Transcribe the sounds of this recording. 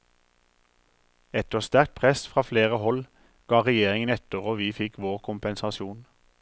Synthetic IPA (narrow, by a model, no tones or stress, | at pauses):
ɛt̪əst̪æʁk̚t̪̚pʰʁɛsfʁɑːfleːʁəhɔl | ɡ̥ɑːʁɛjeːʁɪŋənɛt̪əʁoːʋiːfɪkʋoːʁkʰʊmpɛnsɑsuːn